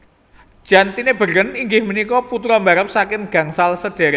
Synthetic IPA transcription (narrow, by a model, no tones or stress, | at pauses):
ʒ̥a̤nt̪ineb̥əɾəniŋɡɪhmənikɔput̪ɾɔmbaɾəp̚sakɪnɡ̥ä̤ŋsalsəd̥e̤ɾe